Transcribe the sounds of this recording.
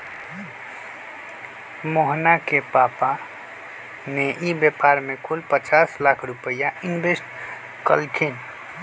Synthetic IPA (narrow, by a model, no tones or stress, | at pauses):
moɦnakepapa | neʔibjepaɾmekʰulpət͡ʃaslakʰɾupəjaʔinbesʈ | kə̰lkʰin